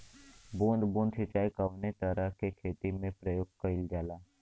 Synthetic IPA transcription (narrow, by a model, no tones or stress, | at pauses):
bũːnd̪bũːnd̪sɪt͡ʃaːikəʋnet̪əɾakekʰeːt̪imẽpɾəjoːɡ̚kəɪld͡ʒaːlaː